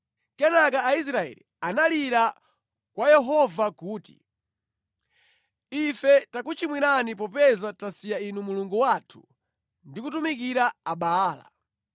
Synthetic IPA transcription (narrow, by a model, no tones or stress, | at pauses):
kɛnak̬aːis̬ɾaɛ̰lḭ | analiɾa | kwajɛɦɔvakuːti̥̰ | ifɛtakut͡ʃimwiɾanip̬ɔpɛzatasijainumuluŋɡuwatʰu̥ | ndikutumik̬iɾaaɓaːla̰